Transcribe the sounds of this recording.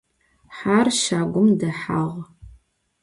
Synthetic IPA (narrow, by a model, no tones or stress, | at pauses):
ħaːrʃaːɡʷʊmdɐħaʁ